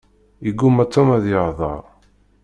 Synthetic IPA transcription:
iɡumæt͡sːɔmæðjəʁðˤɑ̰ɾˤ

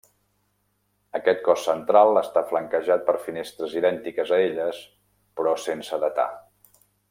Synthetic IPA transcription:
əkɛt̪kɔsːənt̪ɾalˠəst̪afləŋkəʒat̪̚pəɾfinest̪ɾəziðɛnt̪ikəzəeʎəs | pɾɔsensəðət̪a̰

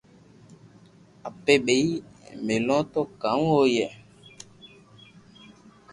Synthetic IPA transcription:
apeɓeimelɔ̃tɔkaŋwojɛ

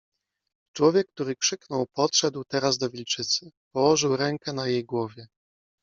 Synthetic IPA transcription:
t͡ʂwɔvʲjɛk̚ːt̪uɾɘkʂɘknɔwpɔt̪ʂɛd̪wt̪ɛɾazd̪ɔvʲilt͡ʂɘt̪sɘpɔwɔʐɘwɾɛŋkɛn̪ajejɡwɔvʲjɛ

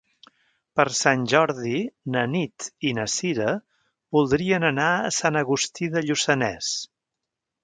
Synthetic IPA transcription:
pəɾsanʲʒɔɾðinənit̪inəsiɾə | βulˠd̪ɾiənənaəsanəɣust̪iðəʎusənɛs

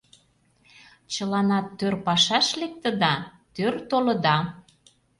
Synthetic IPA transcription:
t͡ɕəlɑnɑt̪ːørpɑʃɑʃlek̚t̪ə̆d̪ɑt̪ørt̪olɤ̆d̪ɑ

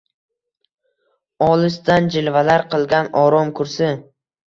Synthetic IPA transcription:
ɒlˠɪsd̪and͡ʒɪlvalaɾqʰɨlˠɡʲanɒɾɒmkʰʊɾsɪ

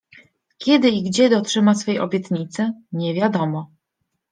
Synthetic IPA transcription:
kʲjɛd̪ɘiɡd͡ʑɛd̪ɔtʂɘmasfɛjʔɔ̰bʲjɛt̪ɲit̪sɛɲɛvʲjad̪ɔmɔ

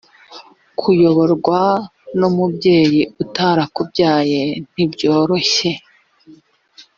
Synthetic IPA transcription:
kʰujo̞βo̞ɾɡwanumubɟe̞ːjiʔutaːɾakubɟaːje̞n̥ibɟo̞ːɾo̞çe̞

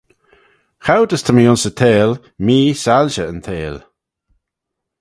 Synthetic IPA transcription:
xawdəst̪ʰəmiʊnsət̪ʰeːl | miːsalʃəəntʰeːl

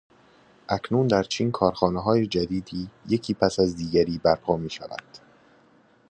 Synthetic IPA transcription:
ʔæcʰnuːnd̪æɾt͡ʃʰiːnkʰɒːɾxɒːneɦɒːje̞d͡ʒæd̪iːd̪iːjecʰiːpʰæsæzd̪iːɟæɾiːbæɾpʰɒːmiːʃæ̰væ̰nd̪̥

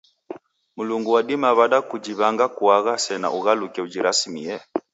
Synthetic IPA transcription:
muluŋɡuwadimaβaɗakud͡ʒiβaŋɡakuaɣasɛna̰ʔuɣalukɛud͡ʒiɾasimiɛ

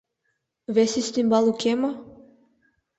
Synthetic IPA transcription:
vɛsist̪imbalˠukʲema

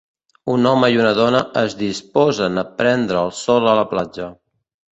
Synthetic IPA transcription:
unɔməiunəðɔnəʔəzðispɔzənəpɾɛnd̪ɾəːlˠsɔlˠələplad͡ʒə

